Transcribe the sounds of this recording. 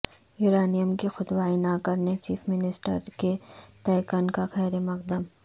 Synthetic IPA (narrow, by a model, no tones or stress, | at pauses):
juːɾaːnijəmkixʊt̪ʋaːinakɐɾnet͡ʃiːfʰmɪnɪsʈə̰ɾket̪ɛːjkankaxɛːɾemɐq̚d̪əm